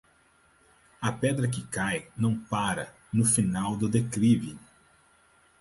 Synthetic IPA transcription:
ɐpɛd̪ɾɐk̬ɪkajnɐ̃w̃paɾɐ̰ | nʊfinawd̪ʊd̪ekɾivi

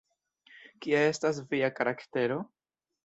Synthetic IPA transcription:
kiae̞stas̬viakaɾakte̞ɾo̞

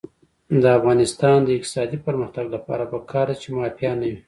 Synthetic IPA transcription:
d̪əafɣɑnɪst̪ɑnd̪əɪq̚t̪ɪ̥sɑd̪ipəɾməxt̪aɡlapɑ̰ɾapəkʰɑɾd̪at͡ʃemɑfjɑnawi

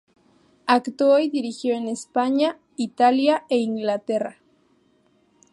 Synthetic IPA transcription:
akt̪oojd̪iɾixjoenespaɲa | it̪aljae̞iŋɡlat̪era

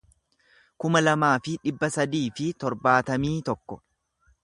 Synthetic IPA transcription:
kʊmɐlɐmaːfɪᶑɪbːɐsɐd̪iːfɪt̪ɔɾbaːt̪ɐmiːt̪ɔkːɔ

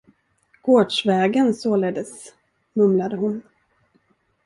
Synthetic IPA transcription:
ɡ̥oːɖʂvɛːɡənsoːleːd̪əs | mɵmlad̪əhʊn

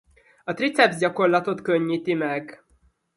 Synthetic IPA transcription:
ɒt̪rit̪sɛbzɟɒko̞rlɒt̪o̞t̪køɲːiːt̪imɛɡ

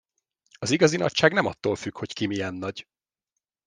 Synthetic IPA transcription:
ɒziɡɒzinɒ̰cʃaːɡnɛmɒt̪ːoːlfykho̞ckimijɛnːɒɟ

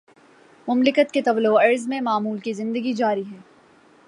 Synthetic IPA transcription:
mʊmlɪkət̪ket̪ɐʋlːoɐɾzmẽmaːmuːlkizɪ̃nd̪əɡid͡ʒaːɾiɦɛː

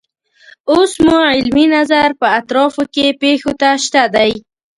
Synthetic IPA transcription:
osmuʕɪlminazaɾpəat̪ɾɑfokepexot̪aʃt̪ad̪aj

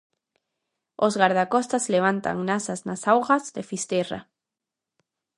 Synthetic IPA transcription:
ozɣaɾðakost̪asleβ̞ant̪a̰ŋnasaznasawɣazðefist̪era̰

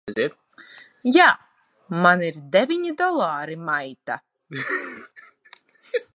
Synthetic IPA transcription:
ɛziɛt̪ | jaː | maniɾd̪ɛvʲiɲid̪ɔlˠaːɾimajt̪a̰

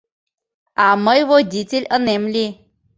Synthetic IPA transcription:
aməjʋəd͡ʑit͡silʲənemli

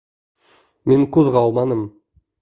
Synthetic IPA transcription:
meŋkʰʉðʁɑɑwˠmɑnəm

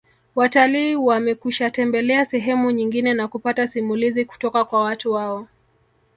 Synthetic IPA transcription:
wataliːwamɛkuʃatɛmbɛlɛasɛɦɛmuɲiŋɡinɛnakupatasimuliziku̥tɔkakwawatuwaɔ

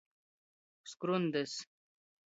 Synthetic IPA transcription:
skɾund̪es

